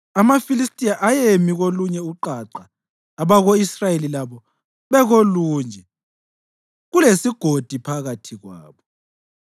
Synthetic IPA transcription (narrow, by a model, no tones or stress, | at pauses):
amafilistʼijaʔajemiɣoluɲɛuǃaǀaː | βaɣoisrajelilaβɔ | βɛɣoluːnd͡ʒʱɛ | ɣulesiɡ̥ʱod̥ʱipʰaɣatʰiɣwa̰ːβɔ